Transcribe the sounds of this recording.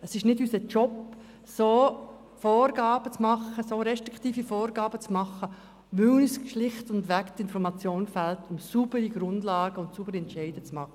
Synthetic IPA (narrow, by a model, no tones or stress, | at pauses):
əsɪʃnɪdysət͡ʃɔp | soː | fɔːrɡɑːb̥ət͡smɑχːəsoːɾɛʃtʁ̥ɪktiːfifɔːrɡɑːbət͡smɑχːə | ʋʏnisʃlɪχtʊndʋɛktɪnfɔɾmɑt͡sjoːnfɛltʰʊmsub̥əɾiɡ̥ɾʊndlɑːɡ̥əʊntsub̥əɾɛntt͡ʃɛɪd̥ət͡smɑχə